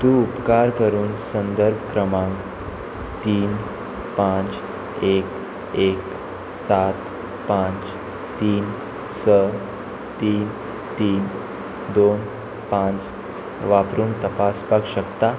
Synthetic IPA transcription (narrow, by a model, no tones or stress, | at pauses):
t̪ũupkaɾkəɾuːnsənd̪əɾbʱkɾəmãŋk | t̪iːn | pãt͡s | ek | ek | sat̪ | pãt͡s | t̪iːn | sə | t̪iːn | t̪iːn | d̪on | pãt͡s | ʋapɾuːɳt̪əpaspaɡɕəkt̪a